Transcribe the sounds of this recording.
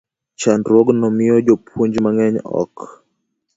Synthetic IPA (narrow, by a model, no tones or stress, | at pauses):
t͡ʃandɾwɔɡnɔmɪɔd͡ʒopʰwoɲd͡ʒmaŋɛɲɔ̰k